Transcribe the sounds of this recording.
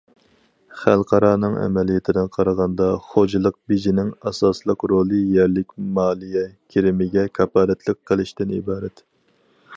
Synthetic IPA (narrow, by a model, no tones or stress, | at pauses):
χælˠqɑɾɑːnɨŋɛ̰mɛlijɛt̪ʰɪd̪ɪnqʰɑɾɑʁɑnd̪ɑχod͡ʒɨlˠəq̚bid͡ʒinɪŋɑsɑslˠəqɾolˠɨjɛɾlɪkʲmɑːlˠijɛkʲʰeɾɪmɪɡʲɛkʲʰɑpɑːɾɛt̪ʰlɪkʲqʰːəlˠɨʃt̪ɪnḭbɑːɾɛt̪